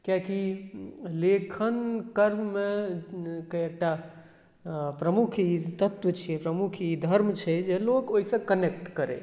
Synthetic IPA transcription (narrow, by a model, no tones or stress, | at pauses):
kjaki | lekʰənkəɾmmẽ | kəek̚ʈa | pɾəmukʰit̪ət̪wət͡ʃʰiɛpɾəmukʰid̪ʱəɾmt͡ʃʰɛd͡ʒelokoɦisə̃kənek̚ʈkəɾḛ